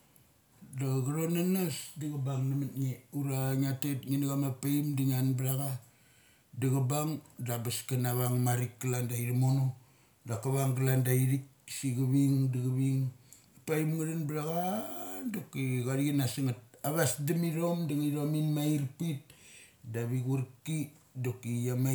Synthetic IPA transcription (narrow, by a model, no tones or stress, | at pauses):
daɡaɾonanasdiɡabaŋnamatŋeuɾaŋatet̚ŋinɡamapaimdiŋanbɾaɣa | daɣabaŋdabaskanaβaŋmaɾikɡalandaiɾamono | dakaβaŋɡalandaiɾik̚siɡaβiŋdiɣaβiŋ | paimŋaɾanbɾaɣadokiɡaɾiɡinasiŋat̚aβasdamiɾo̞mdaŋaɾominmaiɾpit̚ | daβiɣuɾki | dokijama